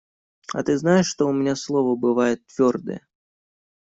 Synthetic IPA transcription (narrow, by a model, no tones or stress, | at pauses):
a̰t̪ɨznajɪʂːt̪oʊmʲɪnʲaslˠovəbɨvajɪt̪ːvʲord̪ə̰jə̰